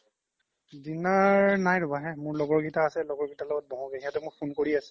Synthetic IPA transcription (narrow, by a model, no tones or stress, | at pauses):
dinaɹnajɹʊbaɦɛmʊɹlɔɡɔɹɡitaːsɛlɔɡɔɹɡitalɔɡɔt̚bɔɦɔ̃ɡeɦiatɛmʊɹpʰunkoɹiasɛ̥